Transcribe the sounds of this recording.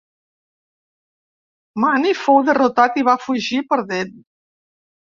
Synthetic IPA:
manifowðərut̪at̪iβafuʒipəɾðet̪

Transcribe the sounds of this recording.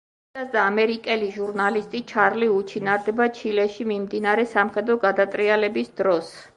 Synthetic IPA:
asd̪aːmɛɾikʼɛliʒuɾnalist̪ʼit͡ʃʰaɾliut͡ʃʰinaɾd̪ɛbat͡ʃʰilɛʃimimd̪inaɾɛsamχɛd̪ɾɔɡad̪at̪ʼɾialɛbisd̪̥ɾɔs

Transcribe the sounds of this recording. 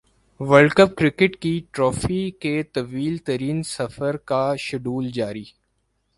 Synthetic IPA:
ʋəlkəp̚kɾɪkɪʈkiʈɾɔːfiket̪ɐʋiːlt̪ɐɾiːnsɐfəɾkaʃɐɖuːld͡ʒaːɾiː

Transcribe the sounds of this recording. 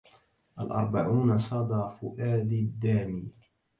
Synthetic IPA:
ʔalʔɑ̰ɾˤbaʕuːnasˤɑd̪ɑːfʊʔaːd̪id̪ːaːmiː

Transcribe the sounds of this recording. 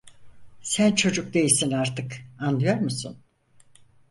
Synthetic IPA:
sænt͡ʃʰo̞d͡ʒuk̚d̪e̞jisinaɾt̪ʰɯkand̪ɯjo̞ɾmusṵn

